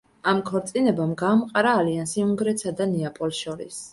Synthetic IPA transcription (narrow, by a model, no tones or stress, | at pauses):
amkʰɔɾt̪sʼinɛbamɡaːmqʼaɾaːliansiuŋɡɾɛt̪sad̪anɛapʼɔlˠʃɔɾḭs